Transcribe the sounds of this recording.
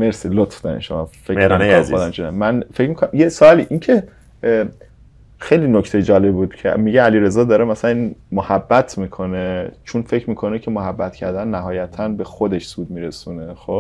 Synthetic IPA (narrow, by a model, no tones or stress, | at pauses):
meɾsilot̪fd̪̥ɒ̰nḭʃomɒ̰fekːonod̪æmt͡ʃʰonæmænfecʰmikʰonæmjesoɒːliʔincʰe | xejlinocʰt̪ejed͡ʒɒːlebbuːd̪̥cʰemiɟeæliːɾe̞zɒːd̪ɒːɾemæsælæninmohæbːæt̪ʰmiːkʰo̞net͡ʃʰonfe̞cʰɾmiːkʰo̞necʰemoɦæbːæt̪cʰæɾd̪ænːæɦɒːjæt̪ʰænbe̞xod̪eʃsuːd̪̚miːɾesuːnexob